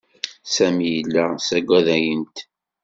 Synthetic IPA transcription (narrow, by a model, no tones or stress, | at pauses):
sæmijəlːæsæɡʷæðæjənt̪